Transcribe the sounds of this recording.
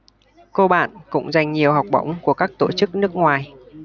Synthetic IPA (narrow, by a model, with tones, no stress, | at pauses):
ko˧ɓa̰ː˧˨nkʊ̰˧˥ŋ͡mza˨˩jŋ̟ɲi˨˩əwɦa˨˩wk͡p̚ɓə̰˧˥wŋ͡mku˧˩əkaː˦˥k̚t̪o̰˧˩t͡ɕɨ˦˥k̚nɨ˦˥ək̚ŋwaː˨˩j